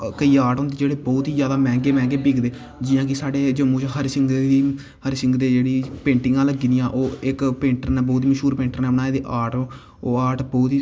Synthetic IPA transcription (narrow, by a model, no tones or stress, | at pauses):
kəiːaːʈõːnd̪eːd͡ʒeːɽeːbɔːt̪iːd͡ʒjaːd̪aːmɛ̃ːŋɡeːmɛ̃ːɡeːbiːɡd̪eː | d͡ʒɪjãːk̬ɪsaːɖeːd͡ʒəmũːt͡ʃɦəɾsɪŋɡ̪eiː | həɾsɪ̃ŋɡd̪eːd͡ʒeːɽiːpẽːɳʈɪŋɡãːləɡiːd̪ijãːʔoːɪkpẽːɳʈəɾnɛːbɔːt̪iːməʃuːɾpẽːɳʈəɾnɛːnaːeːd̪eːʔaːʈː | oːaːʈbɔːt̪iː